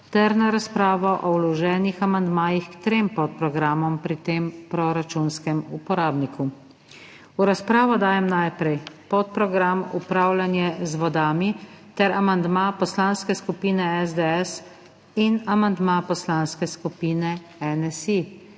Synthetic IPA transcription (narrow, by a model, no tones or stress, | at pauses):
t̪ɛɾnaɾaspɾaːʋɔʔɔwlɔʒɛːnixamand̪maːjixkt̪ɾeːmpɔt̪̚pɾɔɡɾamɔmpɾit̪eːmpɾɔɾat͡ʃunskɛmupɔɾaːbniku | uɾaspɾaːʋɔd̪aːjɛmnajpɾɛjpɔt̪̚pɾɔɡɾamṵpɾaːwljanjɛzʋɔd̪aːmit̪ɛɾʔamand̪mapɔslanskɛskupiːnɛɛzd̪eɛs | inamand̪mapɔslaːnskɛskupiːnɛ | ɛnɛsi